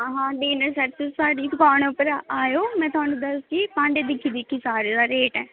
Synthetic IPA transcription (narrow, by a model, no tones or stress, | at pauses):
ɦãɦãːɖeːnəsəɾt͡ʃəsaːɽiːt̪ʊkaːñõpəɾaaːjoːmɛ̃ːt̪ʊaːnũːd̪əsd͡ʒiːpãːɳɖeːd̪ɪkʰːiːd̪ɪkʰːiːsaːɾeːd̪aːɾeːʈɛː